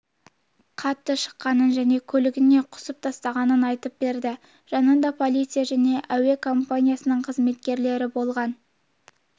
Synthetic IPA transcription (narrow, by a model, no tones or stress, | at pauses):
qʰɑt̪ːəʃə̥qːɑnənʒæne̞kʲʰɵlɪɡʲɪne̞qʰʊ̥səp̚t̪ʰɑst̪ɑʁɑnənɑjt̪əp̚be̞ɾd̪ɪ | ʒ̥ɑnənd̪ɑpʰo̞lˠijt̪sɨjaʒæne̞ʔæwe̞kʰo̞mpanʲijasənəɴqʰəzme̞t̪kʲe̞ɾle̞ɾɪbo̞lˠʁɑn